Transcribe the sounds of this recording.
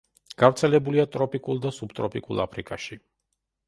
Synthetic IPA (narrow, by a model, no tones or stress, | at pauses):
ɡ̥avɾt̪sʰɛlɛbuliat̪ʼɾɔpʼikʼulˠd̪asubt̪ʼɾɔpʼikʼṵlˠa̰pʰɾikʼaʃi